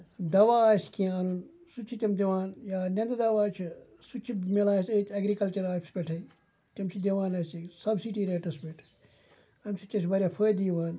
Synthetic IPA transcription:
d̪ɐʋaːaːskijaːnun | sut͡ʃʰit̪ʲɐmd̪ʲɐʋaːnjaːnʲɐ̃nd̪ɐd̪ɐʋaːt͡ʃʰsut͡ʃʰimelãːsetʲɐɡɾikɐlt͡ʃɐɾaːpspʲeʈʰɐ | t̪ʲɐmt͡ʃʰid̪ʲɐʋãːnɐsisɐbsiʈiːɾɐːʈɐsbeʈʰ | ɐmsut͡ʃʰːɐsʰʋɐɾʲaːpʰəːjd̪iːʋaːn

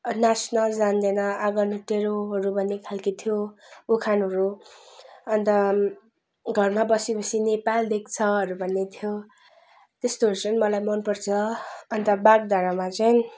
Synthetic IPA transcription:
nasnʌld͡zand̪ʌnʌaɡʌnʌʈeɾoɦʌɾubʱʌnːekʰalkit̪ʰjookʰanɦʌɾu | ʌnt̪ʌ | ɡʱʌrmabʌsipʌsʰinepald̪ek̚t͡sʰʌʌɾubʱʌnːet̪ʰjo | t̪est̪oɦʌɾut͡sʌjnmʌlajmʌnpʌrt͡sʰʌːnt̪ʌbaɡd̪ʱaɾamat͡sʌjn

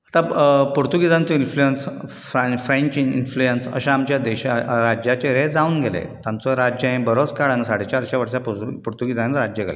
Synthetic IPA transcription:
at̪apuɾt̪uɡid͡zãnt͡sɔinflujens | fɾafɾẽɲt͡ɕinflujənsə̰ɕaamt͡ɕjad̪eɕaɾad͡ʑjat͡ɕeɾed͡zaũːnɡʱelḛtt̪jãnt͡sɔɾad͡ʑjəẽbəɾot͡skaɽanəsaɽit͡ɕaɾɕaʋəɾɕappuɾt̪uɡid͡zãnɾad͡ʑjəɡʱḛle

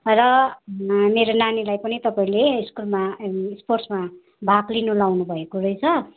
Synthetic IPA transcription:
rʌ | meɾonanilajpʌnit̪ʌpaĩleiskulmaispʰorsma | bʱaɡlinulawnubʱʌekoɾʌjt͡sʰʌ

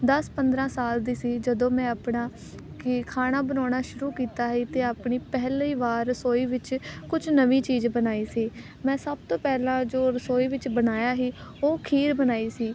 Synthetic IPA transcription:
d̪əspənd̪ɾãːsaːld̪iːsiːd͡ʒəd̪õːmɛ̃ːapɳaː | kɪkʰaːnaːbənɔːɳaːʃʊɾuːkiːt̪aːɦiːt̪eːaːpɳiːpɛɦliːʋaːɾsoːiːʋɪt͡ʃkʊt͡ʃʰnəʋiːt͡ʃiːzbənaːiːsiː | mɛ̃ːsəb̚t̪õːpɛːlãːd͡ʒoːɾəsoːiːʋɪt͡ʃbənaːjaːɦiː | oːkʰiːɾbənaːiːsiː

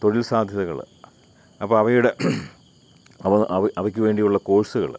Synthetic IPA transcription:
t̪o̞ɻilsaːd̪ʱjɐðɐɣɐ̰ɭ | ɐpːɐːɐʋɐjuɽe | ɐʋɐʔɐʋɐʔɐʋɐkʲːɨʋe̞ːɳɖijuɭːɐko̞ːɻsuɣɐ̰ɭ

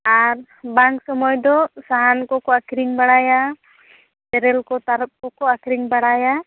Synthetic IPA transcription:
aɾ | baŋksɔmɔjd̪ɔsaɦankɔkɔakɾiɲbaɽaja | t̪ɛɾɛlkɔt̪aɾp̚kɔkɔakɾiŋbaɽaja

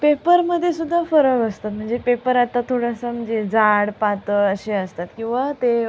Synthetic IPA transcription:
pepəɾməd̪ʱːjesud̪ʱːafəɾəʋəst̪at̪̚m̤əɳd͡zepepəɾat̪at̪ʰoɽasəm̤əɳd͡zed͡zaɽpat̪əəɕeəst̪at̪kĩw̃ʋat̪e

